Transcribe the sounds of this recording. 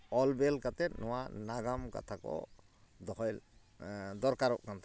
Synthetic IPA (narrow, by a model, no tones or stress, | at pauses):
ɔlbɛlkat̪ɛt̪̚nɔwanaɡamka̰t̪ʰakɔ̰ | d̪ɔɦɔjl | d̪ɔɾkaɾɔʔkant̪ʰa